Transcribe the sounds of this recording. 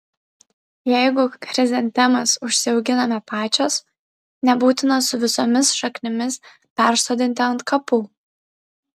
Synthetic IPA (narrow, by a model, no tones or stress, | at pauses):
jɛɪɡʊkɾʲɪzʲɛnʲt̪ʲɛmɐsʊʃʲsʲɪɒʊɡʲɪnɐmʲɛpɑːt͡ʃʲoːs | nʲɛbuːt̪ʲɪnɐsʊʋʲɪsomʲɪsʃɐknʲɪmʲɪs | pʲæˑɾsoːd̪ʲɪnʲt̪ʲɪɐnt̪kɐpuː